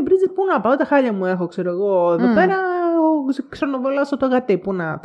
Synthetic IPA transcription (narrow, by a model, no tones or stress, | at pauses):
bɾizit̪̚punɐpɐot̪t̪ɐxɐʎɐmuexokseɾoeɣoeðopeɾɐ | ksonovolɐsot̪oɣɐt̪epunɐt̪